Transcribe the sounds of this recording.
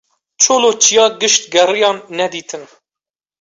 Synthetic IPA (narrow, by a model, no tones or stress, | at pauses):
t͡ʃʰoːloːt͡ʃʰijɑːɡɨʃt̪ɡɛrijɑːnːɛd̪iːt̪ʰɨn